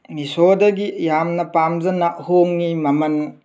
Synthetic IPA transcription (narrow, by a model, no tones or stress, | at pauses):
nisodɐɡijamnɐpamzɐnaʔhoŋnimɐmɐn